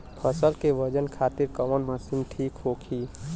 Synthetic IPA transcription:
pʰəsəlkeʋəd͡ʒənkʰaːt̪ɪɾkəmənməsiːnʈʰiːkɦoːkʰiː

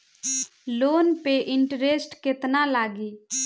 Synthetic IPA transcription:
loːnpeʔɪɳʈɾeːsʈkɪt̪naːlaːɡiː

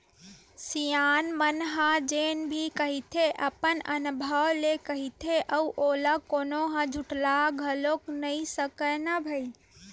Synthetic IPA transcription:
sijanmənɦad͡ʒenbʱikəɦit̪ʰeʔəpənənubʱəwlekəɦit̪ʰeʔəʔoləkonoɦə̃d͡ʒʱuʈlaɡʱəloknəisəkənəbʱəi

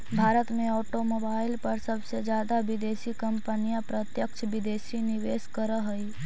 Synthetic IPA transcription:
bʱaːɾət̪mẽɔːʈomobaːɪlpəɾsəbsed͡ʒjaːd̪abɪd̪eːsikəmpənijãpɾət̪jəkt͡ʃʰbɪd̪eːsiniʋeːskəɾəɦəi

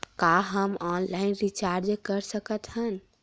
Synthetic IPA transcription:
kaɦəmɔnlainɾit͡ʃaɾd͡ʒekəɾsəkət̪ɦən

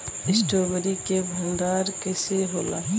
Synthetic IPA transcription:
ɪsʈoːbəɾikebʱɐld̪aːɾkɛːseɦoːlaː

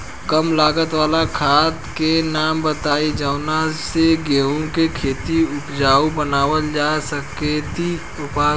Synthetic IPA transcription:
kəmlaːɡət̪ʋaːlakʰaːt̪kenaːmbət̪aːid͡ʒəʊnaseɡeːũkekʰeːt̪iʊpd͡ʒaːubənaːʋəld͡ʒaːsəket̪i | ʊpaː

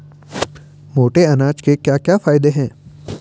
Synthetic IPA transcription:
moːʈeɐnaːt͡ʃkekjaːkjaːfaːɪd̪eɦɛ̃ː

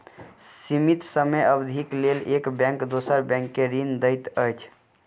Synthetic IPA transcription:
simit̪səmeəbd̪ʱiklelekbɛ̃ŋkd̪osəɾbɛ̃ŋkːeɾind̪əjt̪əjt͡ʃʰ

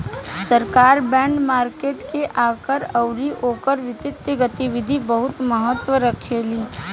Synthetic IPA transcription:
səɾkaːɾbɛ̃ːɳɖmaːɾkeːʈkeʔaːkəɾɐʊɾiʔoːkəɾʋɪt̪ɪt̪jəɡət̪iʋɪd̪ʱibəɦʊt̪məɦət̪ːwəɾəkʰeːliː

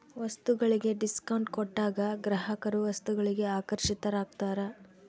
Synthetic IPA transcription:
ʋɐst̪uɡɐɭiɡe̞ɖiskɐwɳʈkɔʈːaːɡɐɡɾɐɦɐkɐɾuʋɐst̪uɡɐɭiɡe̞aːkɐɾʃit̪ɐɾaːɡ̚t̪aːɾɐ

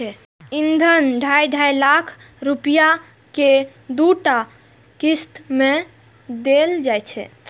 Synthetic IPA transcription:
ɛ | ind̪ʱənɖʱajɖʱajlakʰ | ɾupija | ke | d̪uʈa | kist̪me | d̪eld͡ʒajt͡ʃʰɛ̰

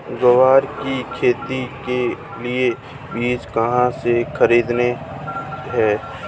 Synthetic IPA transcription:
ɡəʋaːɾkikʰeːt̪ike | lie | biːt͡ʃkɐɦãsexʰəɾiːd̪ne | ɦɛː

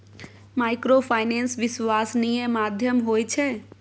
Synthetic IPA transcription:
majkɾopʰajnensʋisʋasnijẽmad̪ʱjəmɦojt͡ʃʰɛ

